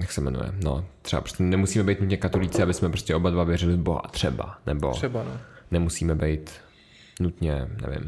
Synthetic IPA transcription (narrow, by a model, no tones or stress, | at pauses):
jaksɛmɛ̰nṵjɛ̰no̰t̪r̥ɛbapɾo̥stcɛnɛmusiːmɛbɛjt̪nut̪ɲɛkat̪olit͡sɪabɪsmɛpɾoscʲɛobadvavjɛrɪlɪvboɦa̰t̪r̥ɛba̰nɛbo̞̰ɛbanɛmusiːmɛbɛjt̪ | nut̪ɲɛnɛ̰vɪ̰m